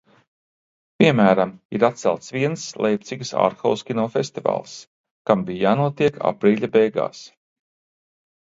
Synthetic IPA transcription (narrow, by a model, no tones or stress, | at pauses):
piɛmæːɾamḭɾat̪̚sɛ̰lˠt̪sviɛnslˠʔejp̚t̪siɡsa̰ːɾxa̰wskʲinuɔfest̪iva̰ːlˠs | kambijjaːnuɔt̪iɛka̰pɾiːʎʲabɛjɡa̰ːs